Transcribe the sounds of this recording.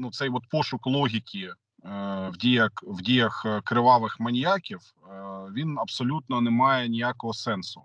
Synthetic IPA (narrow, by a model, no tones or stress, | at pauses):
nut̪sɛjʋɔt̪pɔʃʊklˠɔɦʲikʲi | wdʲijɐkwdʲijɐxkɾɪʋɑʋɪxmɐnʲjakʲiw | ʋʲinɐpsɔlʲut̪nɔnɛmɑjɛnʲijakɔɦɔsɛnsʊ̥̰